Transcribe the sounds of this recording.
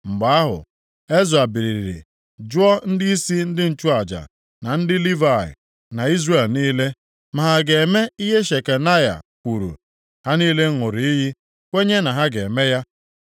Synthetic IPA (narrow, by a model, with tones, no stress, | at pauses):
ŋ͡m̩˨ɡ͡ba˨˦a˦ɦʊ̰˨ | e˦zu˨a˨bi˨ɾi˨ɾi˨ɾḭ˨ | d͡ʒʊ˦ɔ˦n̩˦dɪ˦i˦si˦n̩˦dɪ˦n̩˨t͡ʃu˦a˨d͡ʒa̰˨ | na˨n̩˦dɪ˦li˦va˨ɪ̰˨ | na˨i˦zre˦˨lniː˦le˦ | ma˨ɦa˨ɡe˨me˦i˦ɦe˦ʃe˨ke˨na˦ja̰˨kʷu˨ɾṵ˨ | ha˦niː˦le˦ŋʊ˨ɾi˨i˦ɦi˦ | kʷe˦ɲe˦na˨ɦa˦ɡe˨me˦ja˦